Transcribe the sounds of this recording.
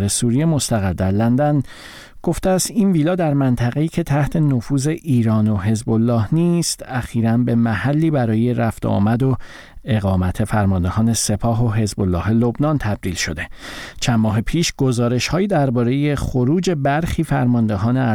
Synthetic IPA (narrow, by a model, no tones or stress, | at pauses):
ɾe̞suːɾijemost̪æɣæɾd̪æɾlænd̪æn | ɡ̥o̞ft̪eæst̪inviːlɒːd̪æɾmænt̪ʰæɣe̞iːcʰe̞t̪ʰæht̪ʰe̞nofuːze̞ʔiːɾɒːno̞ɦe̞zbo̞lːɒːhniːst̪æxiːɾænbe̞mæhælːiːbæɾɒːje̞ɾæft̪ɒ̰ːmæd̪o | e̞ɣɒːmæt̪ʰe̞fæɾmɒnd̪e̞hɒːne̞se̞pʰɒːɦo̞ɦe̞zbo̞lːɒ̰ːɦe̞lo̞bnɒnt̪ʰæb̚d̪iːlʃo̞d̪e̞t͡ʃʰænmɒːɦepʰiːʃɡ̥o̞zɒːɾe̞ʃhɒːjiːd̪æɾbɒːɾe̞je̞χoɾuːd͡ʒe̞bæɾxiːfæɾmɒnd̪eɦɒːneæ